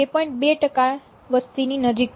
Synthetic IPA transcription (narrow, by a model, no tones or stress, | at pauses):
epəɳbeʈəka | ʋəst̪iniːnəd͡ʑik̚